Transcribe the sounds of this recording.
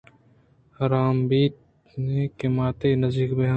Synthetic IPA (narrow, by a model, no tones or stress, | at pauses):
hɐɾaːmbiːt̪̚ | neːkemaːt̪eːnɐzd̪iːkbeɦa